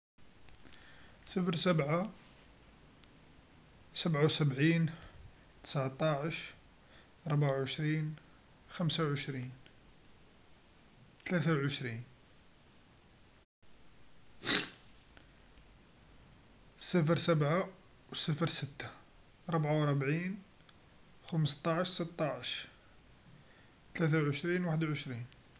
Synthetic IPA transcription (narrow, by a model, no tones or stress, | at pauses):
sˤəfɾsəbʕa | səbʕawsəbʕin | t̪ə̥sʕt̪ˤɑʕəʃ | ɾˤbʕawʕəʃɾin | xæmsawʕəʃɾin | t̪læt̪awʕəʃɾin | sˤəfɾsəbʕa | wsəfəɾsət̪ːḁ | ɾˤəbʕawɾˤbʕin | xəməst̪ˤɑʕəʃsət̪ːɑʕəʃ | t̪læt̪̬awʕəʃɾinwaħəd̪ʕəʃɾin